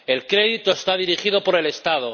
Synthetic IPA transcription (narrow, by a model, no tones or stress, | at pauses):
e̞lkɾe̞ðit̪o̞est̪aðiɾiχiðo̞po̞ɾe̞le̞st̪að̞o̞